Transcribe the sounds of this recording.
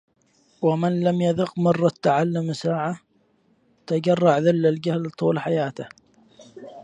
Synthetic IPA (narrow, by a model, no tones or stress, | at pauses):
wamɪnlamjaðʊqmɑrˤːɑt̪ːaʕalːʊmsaːʕa | t̪ad͡ʒɑrˤːɑʕðɪlːald͡ʒahlt̪ˤuːlħajaːt̪ɪh